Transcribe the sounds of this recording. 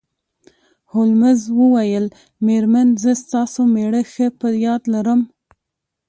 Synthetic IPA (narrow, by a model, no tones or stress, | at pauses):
hʊlməzwəwajəl | meɾmanzəst̪ɑsomeɽəxəpəjɑd̪laɾəm